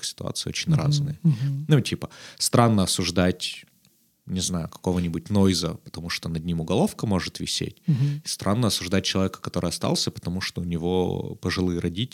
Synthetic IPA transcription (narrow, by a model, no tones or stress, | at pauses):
sʲɪ̥t̪ʊa̰t̪sɨɪo̰t͡ɕɪnʲra̰znɨjənutʲʰipə̥st̪ɾʔanːəɐsʊʐd̪atʲ | nʲɪznajʊkɐ̥ko̞vənʲɪbʊt̚ʲnojzəpə̥t̪ɐmuʂt̪onɐd̪ʲnʲimʊɡɐlˠo̞fkəmo̞ʐɨt̪vʲɪ̰sʲḛtʲst̪ɾʔanːəɐsʊʐd̪at̚ʲt͡ɕːɪlˠɐvʲekə̥kɐt̪o̞ɾʔɨɐst̪a̰lˠsʲəpə̥t̪ɐmuʂt̪oʊnʲɪvo̞̰pəʐɨlˠɨɾʔɐdʲitʲ